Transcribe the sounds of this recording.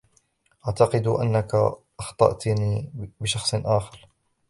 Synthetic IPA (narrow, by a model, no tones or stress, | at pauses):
ʔaʕt̪ɑqɨd̪ʔa̰nːakaʔɑxt̪ˤɑ̰ʔt̪niːbɪʃɑxsˤʔaːxɑɾˤ